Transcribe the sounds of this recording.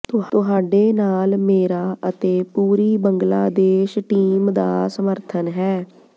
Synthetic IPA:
t̪ʊt̪ʊɦaːɖeːnaːlmeːɾaːʔət̪eːpuːɾiːbəŋɡlaːd̪eːʃʈiːmd̪a̰ːsəməɾt̪ʰənɦɛː

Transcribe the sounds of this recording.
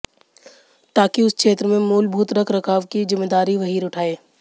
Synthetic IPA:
ʈaːkiʊskʃeːt̪ɾəmẽmuːlbʱuːt̪ɾɐkʰɾɐkʰaːʋkizɪmːeːd̪aːɾiʋɐɦiːɾʊʈʰaːeː

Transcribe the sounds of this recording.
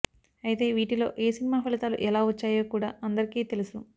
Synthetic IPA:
ɐjt̪e̞ːʋiːʈilo̞̰ːʔeːsinimaːpʰɐlit̪aːlṵʔɛlaːut͡ʃːaːjoːkuːɽaːʔɐnd̪ɐɾikiːt̪e̞lusu

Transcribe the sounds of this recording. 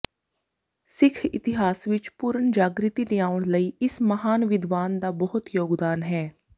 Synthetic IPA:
sɪkʰɪt̪ɪɦaːsʋɪt͡ʃpʊɾənd͡ʒaːɡɾɪt̪idɪaːʋəɽ̃ləiːɪsməɦaːnʋɪd̪ʋaːnd̪aːbəɦʊt̪joːɡd̪aːnɦɛː

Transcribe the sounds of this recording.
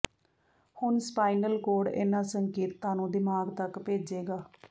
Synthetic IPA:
hʊnspaːinəlkoːɽḛnãːsəŋkeːt̪ːãːnũːd̪ɪmaːɡt̪əkpeːd͡ʒeːɡaː

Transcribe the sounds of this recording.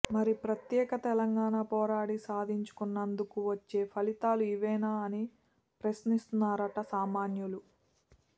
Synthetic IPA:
mɐɾipɾɐt̪jɛːkɐt̪ɛlɐŋɡaːɳaːpɔːɾaːɽisaːd̪ʱiɲt͡ʃu̥kunːɐnd̪ukuʋɐt͡ʃːe̞ːpʰɐlit̪aːluiʋɛːnaːɐni | pɾɐsnist̪unːaːɾɐʈɐsaːmaːnjulu

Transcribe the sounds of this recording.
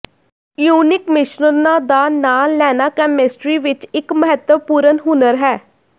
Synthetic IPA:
juːnɪkmɪʃnənãːd̪aːnaːlɛːnaːkɛːmɪsʈɾiːʋɪt͡ʃɪkməɦət̪əpuːɾənɦʊnəɾɦɛː

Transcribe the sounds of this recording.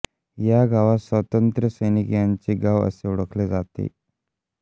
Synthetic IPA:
jaɡaʋasʋət̪ənt̪ɾəsəjnikjaɲt͡ɕiɡaʋə̰seuɽəkʰled͡zat̪ḛ

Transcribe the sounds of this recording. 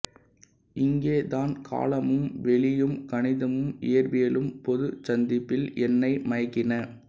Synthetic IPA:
ɪŋɡeːðaːnkʰa̰ːlɐmɯmʋɛɭɪjɯmkɐɳɪðɐmɯmɪ̰jɐɾʋɪjɐlɯmpɔðɯt͡ʃɐnd̪ɪpːɪlʔɛnːɐɪmɐɐkːɪnɐ

